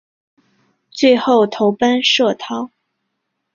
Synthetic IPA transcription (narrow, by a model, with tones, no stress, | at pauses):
t͡swe˥˧ɪxo˥˩ʊt̪ʰo˧˥ʊpa˥nʂɤ˥˩t̪ʰɑ˥ʊ